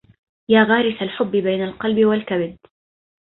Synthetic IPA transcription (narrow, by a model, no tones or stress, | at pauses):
jaːɣaːɾɪθalħʊbːɪbajnalqɑlbɪwalkabɪd̪